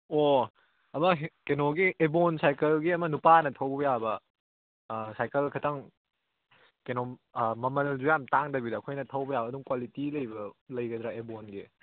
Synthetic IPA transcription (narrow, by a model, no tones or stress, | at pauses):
o | ɐmɐkenoɡiʔebonsajkɐlɡiɐmɐnupanɐtʰɐwbɐjabɐ | sajkɐlkʰɐtʰɐŋ | kenomɐmɐlzujamtaŋdɐbidɐːkʰojnɐtʰɐwbɐjabɐːduŋkwalitilɐjbɐlɐjɡɐd̪ɾaebonɡi